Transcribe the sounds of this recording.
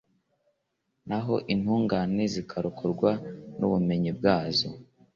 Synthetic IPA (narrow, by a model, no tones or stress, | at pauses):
naɦo̞ʔin̥huːŋɡanezikʰaɾukʰuɾɡwanuβume̞ɲib̚ɡaːzo̰